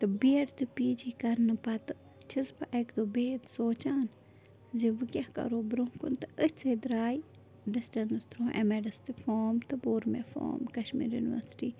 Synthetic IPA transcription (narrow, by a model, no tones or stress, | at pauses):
t̪ɨbiɐɖt̪ɨpiːd͡ʒikɐɾnɨpɐt̪ɨ | t͡ʃʰizpa̰ʔekd̪oːbeːt̪soːt͡ʃaːn | ziʋɨkʲakɐ̰ɾoːbɾuŋkṵnt̪ɨət͡sed̪ɾaːj | ɖisʈɐnd̪ɨst̪ʰɾoːḛmeɖɐst̪ɨfoːmt̪ɨboːɾmefo̰ːmkɐʃmḭːɾjṵniʋɐ̰ɾsʈiː